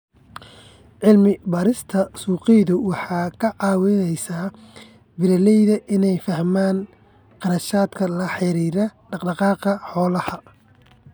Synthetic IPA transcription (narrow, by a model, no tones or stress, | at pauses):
ʕɪlmɪbɐːɾɪst̪ʰɐsuːqɪjðʊwɑħɑːkʰɐʕɑːwɛnɛjsaː | bɪlɐlɛjðɐʔɪnɛjfɐhmaːn | qɑɾɐʃaːd̪kʰɐlɐħɪɾiːɾɐɖɑqɖɑqɑːqɐħɔːlɐhɐ